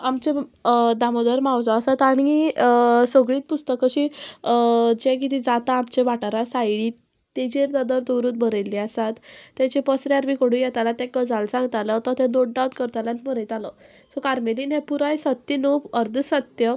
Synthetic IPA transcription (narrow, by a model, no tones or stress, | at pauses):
amt͡ɕed̪amod̪əɾmawd͡zaasat̪aɽ̃i | soɡɭiːt̪̚pust̪əkəɕi | d͡ʑɛk̬it̪ʰid͡zat̪aːmt͡ɕeʋaʈaɾasajɭiː | t̪ːed͡ʑeɾd̪əd̪əɾd̪oɾuːt̪̚bʱəɾelːiasat̪ːɛt͡ɕipəsɾjaɾbikoɽũjɛt̪alat̪ɛ̃kəd͡zalsãŋɡt̪alət̪ɔt̪ʰɛ̃noʈ̚ɖawt̪kəɾt̪alãnməɾəjt̪alə | sɔkaɾmelinɛ̃puɾajsət̪ːinopəɾd̪ʱsət̪jə